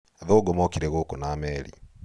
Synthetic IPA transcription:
aðoɡomɔkiɾeɣokonaːmɛɾḭ

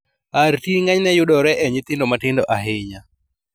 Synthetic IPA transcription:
aɾtiŋaɲnɛjʊɗɔɾɛʔɛɲɪt̪ɪndɔmatɪndɔʔaɦɪɲa

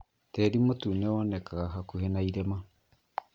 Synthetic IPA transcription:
tɛːɾimotunɛɔnɛkaɣaɦakuhenaiɾɛma

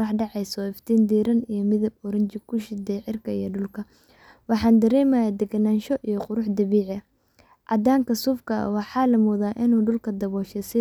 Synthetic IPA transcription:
ɑħɖɑʕɑjsɔɪft̪ʰiːnd̪iːɾɐnijɞmɪðɐbɔɾɐɲt͡ʃɪkʰʊʃɪd̪ɛjʕɪrkʰɐijɔɖʊlkʰɐ | wɑħɑːnd̪ɐɾɛːmɐjad̪ɛɡɐnaːnʃɔʔijɔqʊɾʊħd̪ɐβiːʕɛ | ʕɑ̰d̪aːŋkʰɐsuːfkʰɐ̰wɑħɑːlɐmɔːðaːʔɪnuːɖʊlkʰɐd̪ɐβɔːʃɛsɪ

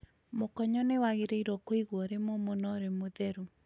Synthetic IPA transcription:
mokɔɲɔnewaɣeɾeiɾɔkoiɣwɔɾemomonɔɾemoðɛɾu

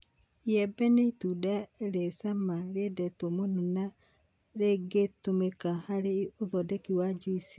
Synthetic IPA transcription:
jɛbɛneitudaɾesamaɾedɛtomonona | ɾeɡetomekahaɾeoðɔdekiwad͡ʒuisi̥

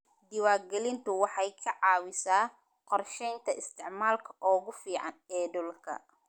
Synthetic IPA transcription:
d̪ɪwaːrɡɛlɪnt̪ʰʊwɑħɑjkʰɐʕɑːwɪsaː | qɔrʃɛjnt̪ʰɐɪst̪ʰɪʕmaːlkʰɐ̥ʔɔːɣʊfiːʕɑnɛːdɔlkʰɐ̰

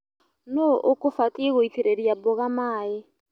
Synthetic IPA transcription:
noʔʊkʊfatieɣʊitʰiɾediabʊɣamaːɪ

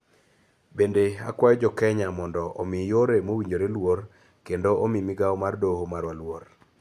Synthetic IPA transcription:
bendea̰kwajd͡ʒɔkɛɲamɔndɔʔɔ̰mijoɾemowiɲd͡ʒoɾelwor | kendoʔomimiɡaɔmardohomaɾwalwor

